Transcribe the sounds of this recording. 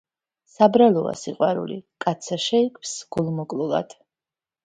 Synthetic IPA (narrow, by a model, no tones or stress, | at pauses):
sabɾalˠɔa̰siqʼwaɾṵlḭkʼat̪sʰaʃɛikʰʼvsɡ̥ulˠmɔkʼlˠulˠa̰d̪̥